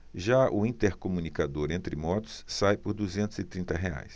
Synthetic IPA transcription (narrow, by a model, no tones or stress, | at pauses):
ʒaʔʊĩt̪eɾkomunikad̪oɾẽnt̪ɾɪmɔt̪ʊ̥sːajpʊɾd̪uzẽnt̪ʊzɪt̪ɾĩnt̪ɐɦea̰js